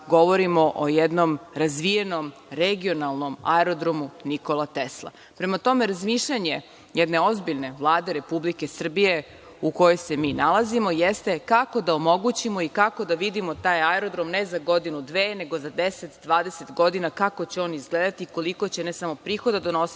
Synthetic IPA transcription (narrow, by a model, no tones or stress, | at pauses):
ɡo̞ʋo̞ɾimo̞ʔojɛd̪no̞mɾazʋije̞no̞m | ɾeɡio̞nalˠno̞ma̰eɾod̪ɾomuniko̞lˠat̪eslˠa̰ | pɾe̞mat̪o̞meɾazmiːʃʎaɲe̞ | jɛd̪ne̞o̞zbiʎne̞ʋlˠaːd̪e̞ɾe̞publike̞sr̩bije̞ | uko̞jo̞jse̞miːnalˠazimo̞jest̪e̞kako̞d̪aomo̞ɡut͡ɕimo̞ikako̞d̪aʋid̪imo̞t̪aːjaeɾo̞d̪ɾo̞mnezaɡo̞d̪inud̪ʋeːne̞ɡozad̪eset̪d̪ʋaːd̪ese̞t̪ɡo̞d̪inakako̞t͡ɕeo̞ːnizɡleːd̪at̪iko̞liko̞t͡ɕe̞nesamo̞pɾiːxo̞d̪ad̪onos